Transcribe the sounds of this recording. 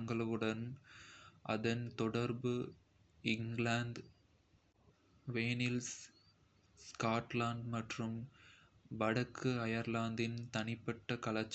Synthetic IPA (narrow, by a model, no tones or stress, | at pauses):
ŋɡɐɭɯɣɯɽɐn | ʔɐ̰ðɐnt̪ɔɽɐɾbɯ | ɪŋɡlaːnɖ̪ | ʋeːnɪls | skaːʈlaːɳɖmɐʈrɯm | bɐɽɐkʰːɯɐjɐɾlaːnd̪ɪnt̪ɐnɪpːɐʈːɐkɐɭɐt͡ʃː